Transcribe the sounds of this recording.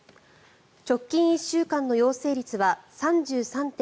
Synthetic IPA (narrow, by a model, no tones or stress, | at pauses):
t͡ɕo̞kʲːĩɰ̃iɕːɨːkãnːo̞jo̞ːse̞ːɾʲit͡sɨβasãɲd͡ʑɨːsãnt̪ẽ